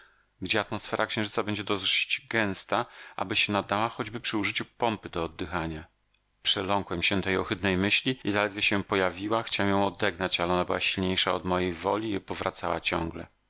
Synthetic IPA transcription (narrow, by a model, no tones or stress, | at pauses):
ɡd͡ʑɛat̪mɔsfɛɾʔakɕɛ̃w̃ʐɘt̪sabɛɲd͡ʑɛd̪ɔzʐɕi̥d͡ʑɡɛ̃w̃st̪aʔa̰bɘɕɛnad̪awaxɔd͡ʑbɘpʂɘuʐɘt͡ɕupɔmpɘd̪ɔːd̪ːɘxaɲa | pʂɛlɔŋkwɛmɕɛt̪ɛjɔxɘd̪nɛjmɘɕlʲiizalɛd̪vʲjɛɕɛpɔjavʲiwaxt͡ɕawɛmjɔ̃w̃ɔd̪ɛɡnat͡ɕalɛɔnabɘwaɕilɲejʂaɔd̪mɔjejvɔ̰lʲiɛpɔvɾʔat̪sawa̰t͡ɕɔ̰̃ŋɡlɛ̰